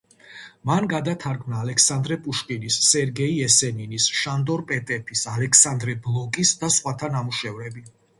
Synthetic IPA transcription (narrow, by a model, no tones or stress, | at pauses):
manɡad̪at̪ʰaɾɡmnaːlɛkʰsand̪ɾɛpʼuʃkʼinisːɛɾɡɛiɛsɛninisʃand̪ɔɾpʼɛt̪ʼɛpʰisalɛksand̪ɾɛblˠɔkʼisd̪asχwat̪ʰanamuʃɛvɾɛbi